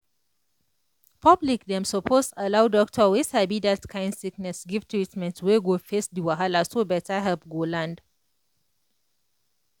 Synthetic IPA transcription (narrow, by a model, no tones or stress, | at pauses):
pʰablikdɛ̃msəpʰostəlawdɔk̚tʰəwishɛbidatkʰãɪ̃ndsiknɛsɡivtʰɹitmɛ̃ntʰweɡofesdiwaɦalasobɛtaɦɛlpɡolãnd